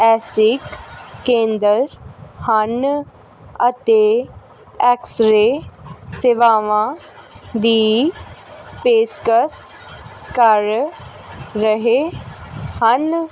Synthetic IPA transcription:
ɛːsɪkːẽːnd̪əɾhən | ət̪e | ɛːksɾeseʋaːʋã | d̪iː | peːskəs | kəɾː | əɦe | hən

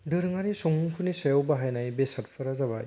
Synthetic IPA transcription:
dɯɾɯŋaɾisɔŋuŋkʰunisajawbaɦajnajbesat̚pʰɐɾazaβaj

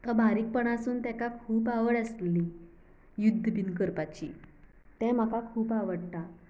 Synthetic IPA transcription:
kabʱaɾiːk̚pəɳ̃asuːnt̪ɛkakʰuːpaʋəɽəsli | jud̪ʱːəbinkəɾpat͡ɕḭː | t̪ɛ̃m̤akakʰuːpaʋəɽt̪a

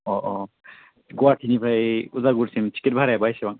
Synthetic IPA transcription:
ɔʔɔ | ɡuwaʈʰinipʰajuzaɡuɾsimt͡ʃi̥kit̚bʱaɾɛbajsibaŋ

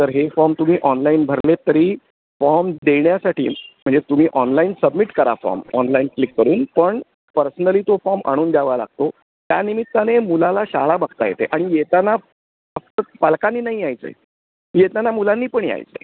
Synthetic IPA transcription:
t̪əɾɦefɔɾmt̪um̤iːʔɔnlainbʱəɾlet̪əɾiː | fɔɾmd̪eɳjasaʈʰḭːm̤əɳd͡zet̪um̤iːʔɔnlainsəbmiʈkəɾa̰fɔ̰ɾmɔnlainklikːəɾuːnpəɳ | pəɾsənəliːt̪ofɔɾmʔa̰ɽ̃uːnd̪jaʋala̰ɡ̚t̪o | t̪ja̰nimit̪ːanemulalaɕaɭabəɡʱt̪ajḛt̪eʔaɽ̃ijet̪ana | ək̚t̪əpalkaniːnaɦiajt͡sə̰j | jet̪anːamulanːiːpəɳia̰jt͡sə̰

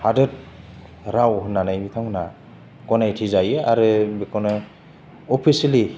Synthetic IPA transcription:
hadɯt̚ | ɾawɦɯnːanajbitʰaŋhɯna | kɔnajtʰizajɯa̰ɾɯbikɔnɯ | ɔpʰisili

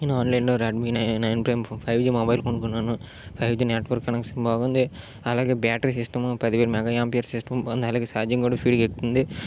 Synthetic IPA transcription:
inːaːnlɐɪnɖɔɾɐɖminɐnɐjnpɾɐjmfɐɪʋd͡ʒimɐbɐɪlkɔɳɖɯkːɐnːaːnũ | fɐɪʋd͡ʒineːʈʋɐɾkːɐnɐkːsɪmbaːɣɐɐnd̪ɯ | ɐlaːɣebaːʈɐɾis̬ɪsʈɐmpɐðɪʋeːɾmaːɣɐaːmpijɐɾsɪsʈɐmnd̪ɐlɐːɣesaːɾd͡ʒiŋɡoɽɐfiːɖkekʈːɯnd̪ɯ

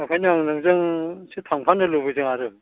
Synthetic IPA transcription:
makʰajnɯaŋnɯŋzɯŋsitʰaŋpʰanɯlobɯzɯŋaɾɯ

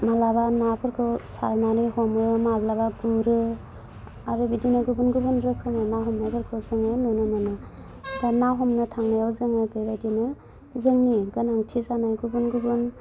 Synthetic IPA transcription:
malabanapʰɯɾkʰɯwsaɾnanɯjhɔmɯmablabaɡuɾɯ | aɾɯbidinɯɡubunɡubunɾɯkʰɯmanaɦɔmnajbʰɯɾkʰɯwzɯŋajnɔnɯnɔnɯ | danaɦɔmnɯtʰaŋnajawzɯŋajbebajdinɯ | zɯŋniɡɯnaŋtʰizanajɡubunɡubɯn

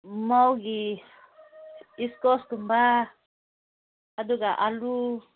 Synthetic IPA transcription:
mauɡi | iskɔskumba | aduɡaʔalu

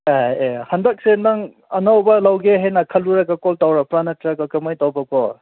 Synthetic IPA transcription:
eehɐndak̚senɐŋ | ɐnawbɐlawɡeɦenɐkʰɐluɾɐɡakɔltawɾɐpɾanɐtɾaɡakɐmajtawbɐkɔ

